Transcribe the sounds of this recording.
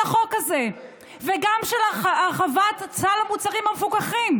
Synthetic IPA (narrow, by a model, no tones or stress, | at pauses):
aχo̞kaze̞ | veɡamʃelaχaχavat̪at͡salamut͡saʁimhamefukaχim